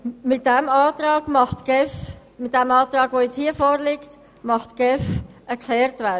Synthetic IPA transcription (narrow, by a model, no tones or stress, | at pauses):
mɪt̚dɛmɑːt̪ɾɑːɡ̥mɑχtɡ̥ɛf | mɪt̚dɛmɑːt̪ɾɑːɡʋoːjɛt͡shiəfoːɾlɪkt | mɑχtɡ̥ɛfɛɾkʰlɛːɾtvæ